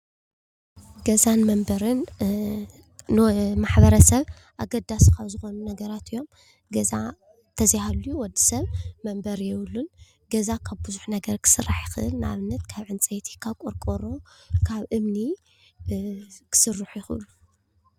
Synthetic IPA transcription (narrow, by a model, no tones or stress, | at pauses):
ɡɐzanmɐmbɐɾɨn | maħbɐɾɐsɐβ | ʔaɡɐd̪askʰaβzɨxo̞nunɐɡɐɾat̪ɨjːo̞m | ɡɐza | t̪ʰɐzhalujuwɔd̪ːi̥sɐβmɐmbɐɾjɛwlːun | ɡɐzakʰaβbɨzuħnɐɡɐɾkʰɨ̥sɨrːaħjɪxɨʔɨ̰lnɨa̰βɨnːɐt̪kʰaβʕɨnt͡sʼet̪ʰi̥kʰaβkʼoɾkʼoɾo̞kʰaβʔɨmni | kʰɨ̥sɨrːɨħujɪxɨ̰ʔɨlːu